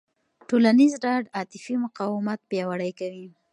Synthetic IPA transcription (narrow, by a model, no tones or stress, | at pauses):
ʈolanizɖɑɖɑt̪ɪfimʊqɑwɪmat̪̚pjɑwaɽəjkawi